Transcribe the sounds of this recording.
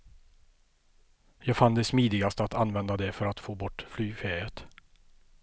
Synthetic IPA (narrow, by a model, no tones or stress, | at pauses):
jɑːɡfand̪ɛsmiːd̪ɪɡast̪əat̪anvɛnd̪ad̪ɛfœɾat̪foːbɔʈːflyːfeːɾət̪